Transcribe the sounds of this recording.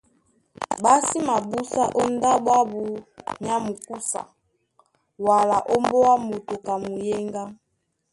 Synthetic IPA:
ba˦si˦ma˨bu˦sa˦ʔɔ˦nda˦bwa˦bu˨ɲa˦mu˨ku˦sa̰˨ | wa˨la˨ʔɔ˦mbɔ˦wa˦mo˨to˨ka˨mu˨jɛ˦ŋɡa˦

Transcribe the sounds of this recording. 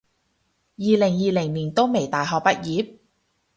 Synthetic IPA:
jiː˨lɪ˨˩ŋjiː˨˧lɪ˨˩ŋliː˨˩nt̪o˥wme˨˩jt̪aː˨jɦɔː˨k̚pɐ˥t̚jiː˨˥p̚

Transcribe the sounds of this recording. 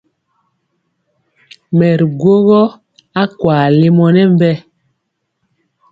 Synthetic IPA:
mɛ˨ɾɡwo˦ɣɔ˦ | a˦kwaː˨le˦mɔ˦nɛ˦m˦bɛ˦

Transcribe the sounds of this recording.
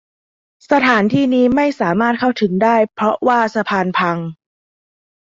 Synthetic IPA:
sa˧t̪ʰaː˩˦nt̪ʰiː˥˩niː˦˥ma˥˩jsaː˩˦maː˥˩t̪̚kʰa˥˩wt̪ʰɯ˩˦ŋdaː˥˩jpʰɾɔ˦˥waː˥˩sa˧pʰaː˧npʰa˧ŋ

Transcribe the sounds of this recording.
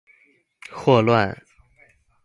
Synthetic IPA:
xwɔ˥˧lwa˥˧n

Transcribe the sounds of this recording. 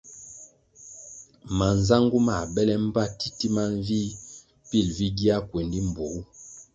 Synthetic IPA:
ma˨n˨za˦ŋɡu˦ma˨bɛ˦lɛ˦m̩˦ba˦ti˦ti˦ma˦ɱ˦vi˦ | pi˦˨lvi˦ɡi˦a˦kwe˨ndi˦m̩˨bo˨ɡu˦

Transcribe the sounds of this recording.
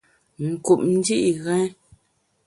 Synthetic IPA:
ŋ̩˨ku˨p̚n̩˦di˦ʔi˨ɣɛ̃˦

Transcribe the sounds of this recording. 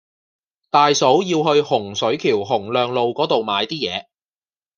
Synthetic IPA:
t̪aː˨jso˨˥wjiː˧wɦɵ˧ɥhʊ˨˩ŋsɵ˨˥ɥkʰiː˨˩wɦʊ˨˩ŋlœː˨˧ŋlo˨wkɔː˨˥t̪o˨wmaː˨˧jt̪iː˥jɛː˨˧

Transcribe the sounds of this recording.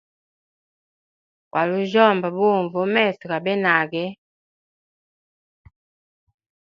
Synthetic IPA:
kwʔa˨lu˦ʒɔ˦˨mba˨bu˦˨ɱvɔ˨˦mɛ˦˨si˨ka˨bɛ˦na˨kɛ˦

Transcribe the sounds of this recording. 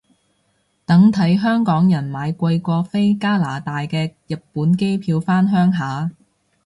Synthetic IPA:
t̪ɐ˨˥ŋt̪ʰɐ˨˥jɦœː˥ŋkɔː˨˥ŋjɐ˨˩nmaː˨˧jkʷɐ˧jkʷɔː˧fe˥jkaː˥laː˨˩t̪aː˨jkɛː˧jɐ˨pːuː˨˥nke˥jpʰiː˧wfaː˥nɦœː˥ŋɦaː˨˧

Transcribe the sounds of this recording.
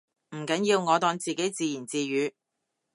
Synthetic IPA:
m̩˨˩kɐ˨˥njiː˧wŋɔː˨˧t̪ɔː˧ŋt͡siː˨ke˨˥jt͡siː˧jiː˨˩nt͡siː˧ɥyː˨˧

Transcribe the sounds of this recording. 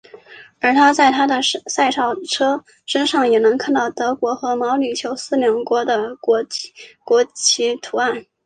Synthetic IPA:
ə˞˧˥t̪ʰa˥t͡sa˥˩ɪt̪ʰa˥d̪ə˨sa˥˧ɪʈ͡ʂʰɑ˥˩ʊʈ͡ʂʰɤ˥ | ʂə˥nʂɑ˥˩ŋjɛ˨˩nɤ˧˥ŋkʰa˥˧nt̪ɑ˥˩ʊt̪ɤ˧˥kwɔ˧˥xɤ˧˥mɑ˧˥ʊly˨˩t͡ɕʰjo˧˥ʊsɹ̩˥ljɑ˧˥ŋkwɔ˧˥d̪ə˧˥ | kwɔ˧˥t͡ɕʰi˧˥t̪ʰu˧˥a˥˩n

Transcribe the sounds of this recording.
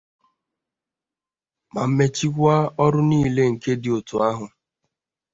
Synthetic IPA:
ma˨m̩˦me˨t͡ʃi˦kʷa˦ɔ˦ɾʊ˦niː˦le˦ŋ̩˨ke˦dɪ˨o˨to˨a˦ɦʊ˨

